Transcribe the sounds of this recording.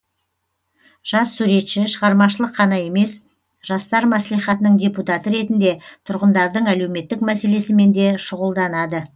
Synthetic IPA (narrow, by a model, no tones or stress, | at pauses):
ʒ̥ɑsːuɾe̞t̪ʃɪʃəʁɑɾmɑʃəlˠəqʰːɑnɑje̞me̞s | ʒ̥ɑst̪ɑɾmæslijχɑt̪ənəɴdʲe̞put̪ɑt̪əɾe̞t̪ɪnd̪e̞t̪ʰʊɾʁənd̪ɑɾd̪əɴæle̞wme̞t̪ːɪkmæse̞le̞sɪme̞nd̪e̞ʃʊʁəlˠd̪ɑnɑd̪ə